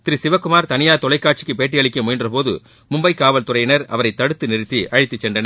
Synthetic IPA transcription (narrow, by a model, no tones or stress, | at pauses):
t̪ɪɾisɪʋɐkːʊmaːɾt̪ɐnɪjaːt̪ɔlɐɪkːaːʈ̚t͡ʃɪ̥kːɯpeːʈːɪjɐɭɪkʲːɐmʊjɪndrɐpoːðɯ̰ | mʊmbɐɪkːaːʋɐlt̪ʊrɐjɪnɐɾɐ̰ʋɐɾɐɪt̪ːɐɽɯt̪ːɯnɪɾɯt̪ːiʔɐɻɪt̪ːɯt͡ʃːɛnɖɐnɐ